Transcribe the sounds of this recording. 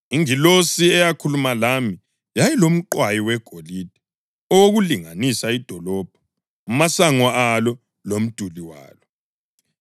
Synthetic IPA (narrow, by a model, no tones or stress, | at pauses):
iŋilosiɛjakʰulumalami | jajilom̩ǃwajiwɛɡ̥ʱoliːd̥ʱi | ɔwoɣuliŋanisaid̥ʱɔlɔːb̥̚ʱɔ̥ | umasaŋɔalɔ | lom̩d̥ʱuliwa̰ːlɔ